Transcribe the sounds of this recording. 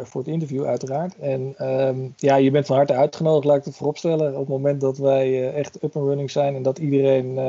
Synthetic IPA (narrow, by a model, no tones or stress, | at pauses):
vʊːɹətɪntəɹvjuœ̰ɥtəraːɹtɛn | jaːjəbɛntfɑnɦɑɹtəœɥtχənowdəχlaːɪktəvʊrɔpstɛləɔpmowmɛnt̚dɑtʋɛjɛχtøpənɹønɪŋzɛjnɛndɑtidərejn